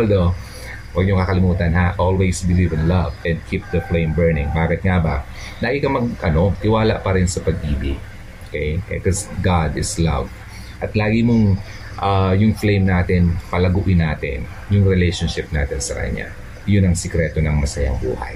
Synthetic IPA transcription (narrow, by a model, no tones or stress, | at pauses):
ʔld̪o | wɐɡ̚ɲoŋkɐkɐlɪmuːt̪ɐnɦaʔolwejsbɪlivɪnlɐvɛnd̪̚kʰip̚d̪ɐflẽjmbɛɹnɪ̃ŋbaːkɪt̪̚ŋabɐ | nɐɡikɐmɐɡ̚ʔɐno̞t̪ɪwaːlɐ̰ʔpɐɾɪnsɐpɐɡ̚ʔiːbɪ | okɛjʔkosɡad̪ɪslɐ̰v | ʔɐt̪laːɡɪmoŋ | ʔajʊŋflejmnaːt̪ɪnpɐlɐɡuːʔɪnaːt̪ɪ̰n | jʊŋɾɛlejʃonʃɪp̚na̰ːt̪ɪnsɐkɐ̰ɲa̰ | jʊnɐŋsɛkɾɛːt̪onɐŋmɐsɐjɐ̰ŋbṵːhɐ̰j